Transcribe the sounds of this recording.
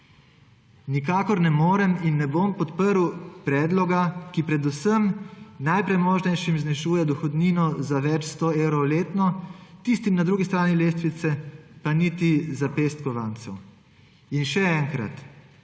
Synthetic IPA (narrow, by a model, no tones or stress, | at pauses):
nikaːkɔɾnɛmoːɾɛminːɛbompɔt̪pəɾwpɾɛːd̪lɔɡakipɾɛd̪usəmnajpɾɛjmoːʒnɛjʃimznɛʃuːjɛd̪ɔxɔd̪niːnɔzaʋɛt͡ʃst̪oːeːwɾɔwleːt̪nɔt̪ist̪imnad̪ɾuːɡist̪ɾaːnileːst̪ʋit̪sɛpanit̪izapest̪kɔʋant̪sɛw | inʃɛɛːŋkɾa̰t̪